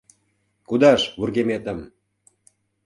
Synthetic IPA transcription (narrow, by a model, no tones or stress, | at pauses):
kud̪ɑʃβurɣemet̪ə̆m